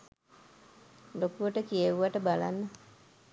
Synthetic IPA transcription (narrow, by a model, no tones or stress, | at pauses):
lokuʋəʈəkieʋuʋaʈəbalanːə